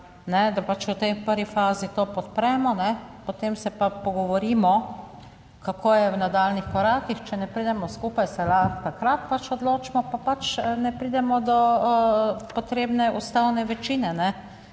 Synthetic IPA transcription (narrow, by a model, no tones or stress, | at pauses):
nɛd̪apat͡ʃʊt̪ɛjpəɾʋifaːzit̪opɔt̪̚pɾɛmɔnɛpɔt̪emsɛpapɔɡɔʋɔɾiːmɔ | kakʰoːjɛwnad̪aːlnixkɔɾaːkixt͡ʃɛnɛpɾid̪ɛmɔskuːpajsɛlat̪akɾat̪̚pat͡ʃɔd̪loːt͡ʃmɔpapat͡ʃnɛpɾid̪ɛmɔd̪ɔ | pɔt̪ɾeːbnɛʔust̪awnɛʋɛt͡ʃiːnɛnɛ